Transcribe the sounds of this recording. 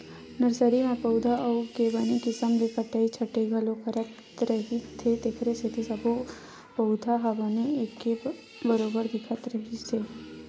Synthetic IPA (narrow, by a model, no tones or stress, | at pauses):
nəɾsəɾimãpəwd̪ʱaʔəuɡebanikɪsəmlepʰəʈait͡ʃʰəʈeɡʱəlokʰəɾət | ɾəɦit̪ʰet̪ekʰɾeset̪isəbʱo | pəʊd̪ʱaɦəʋaniekːe | bəɾobəɾd̪ɪkʰət̪ɾəɦit͡ʃʰe